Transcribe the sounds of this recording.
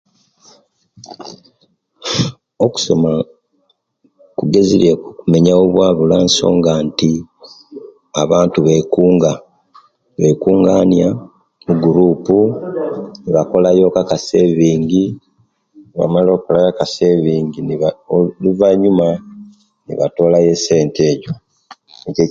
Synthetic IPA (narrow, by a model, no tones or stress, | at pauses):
oku̥so̞ma | kuɡe̞ziɾekume̞ɲaoβwaːβulaːnso̞̰ːŋɡaːnti | aβaːntuβe̞kuːŋɡa | βe̞kuːŋɡaːnja | muɡuɾuːpu | niβako̞lajo̞ːkakase̞βiːɲɟi | niβa̰malo̞ːkolajakase̞βiːŋɡiniluvaɲuma | nḭβa̰to̞ːlaje̞se̞ːnteːɟo | ece